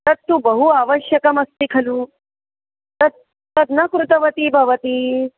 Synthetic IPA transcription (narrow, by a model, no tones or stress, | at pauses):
t̪əɾt̪ːuːbəɦuaʋəɕjəkɐməst̪ikʰɐluː | t̪əɾ | t̪əɾnɐkɾut̪əʋət̪iːbʱɐʋət̪iː